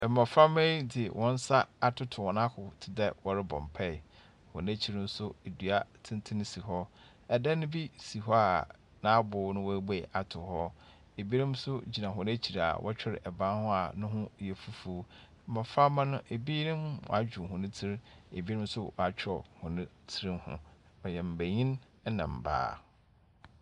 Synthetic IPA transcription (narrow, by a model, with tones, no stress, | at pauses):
mã˨fɾa˦mɛ̃˦dɪ˨wʔɔ̃˦n̩˦sa˦a˨tʰʊ˦tʰʊ˨wɔ̃˨nã˦kʰʊ˨tʰɪ˨dɛ˦wɔ˨ɾɪ˦bɔ̰̃˨mpʰɛ˦˨ | hɔ̰̃˨n˦æ˦t͡ɕʰi˦ɾɪ˦˨n̩˦sʊ˦e˨dɥa˨tʰɪ̃˦n˦tʰɪ̃˦nɪ̃˦si˨ɦɔ˦ | ɛ˨dɛ˦nʊ̃˦bi˦si˨ɦɔ˦a˨ | nã˨˦bʊː˨˦nʊ̃˦wɔ˦be˨ʔa˨tʰʊ˨hɔ˦ | e˨bi˦nɪ̃˦m˦sʊ˦d͡ʑi˨nã˨ɦʊ̃˨n˦æ˦t͡ɕʰi˨ɾa̰˨wʔɔ̰˦t͡ɕᶣɪ˦ɾɪ̰˨ʔɛ˨bã˦hʊ̃˦a˨nʊ̃˦hʊ̃˦jɛ˨fu˦fu˨˦ | mã˨fa˦mã˦nʊ̃˦ʔe˨biː˦nɪ̃˦mwɔ̰˨a˨˦d͡ʑᶣu˨ɦʊ̃˨nʊ̃˦tʰi˦ɾḛ˨bi˦ɾɪ̃˦m̩˦sʊ˦wɔ̰˨a˨t͡ɕᶣʰɾɔ˨hʊ̃˨nʊ̃˦tʰɪ˦ɾɪ̃˦mhʊ̰̃˨ | bɛ˨jɛ̃˨m̩˨bæ˨ɲĩ˦n˦ | nã̰˨m̩˨ba̰ː˦